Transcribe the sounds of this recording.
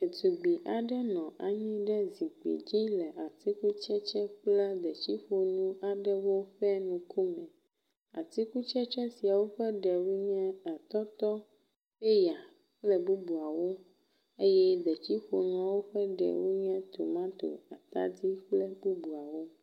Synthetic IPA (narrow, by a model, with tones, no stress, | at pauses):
e˨t̪u˨ɡ͡bi˨ʔa˨ɖɛ˦nɔ̃˨ʔa˨ɲĩ˦ɖɛ˦zi˨k͡pḭ˨d͡ʑi˦lɛ˨ʔa˨t̪i˦ku˦t͡ʃɛ˦t͡ʃɛ˦k͡plɛ˦d̪ɛ˨t͡ɕi˦ɸo˨nũ˦a˨ɖɛ˦wo˦ɸɛ˦nũ˨ku˦mɛ̃˨ | a̰˨t̪i˦ku˦t͡ʃɛ˦t͡ʃɛ˦si˨a˨wo˦ɸɛ˦ɖɛ˨wu˦ɲɛ̃˦a˨t̪ɔ˦t̪ɔ˦ | ɸe˦ja˨ | k͡plɛ˦bu˦bu˨a˨wo˦ | e˦jɛ˦d̪ɛ˨t͡ɕi˦ɸo˨nũ˦a˦wo˦ɸɛ˦ɖɛ̰˨wu˦ɲɛ̃˦t̪o̰˨mã˦t̪o̰˨a˨t̪a̰˦di˦k͡plɛ˦bu˦bu˨a˨wo˦